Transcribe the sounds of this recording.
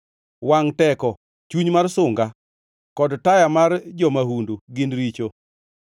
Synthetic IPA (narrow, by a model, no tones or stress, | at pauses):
waŋtɛkɔ | t͡ʃuɲmarsʊŋɡa | kɔdtajamard͡ʒɔmahunduɡɪnɾit͡ʃo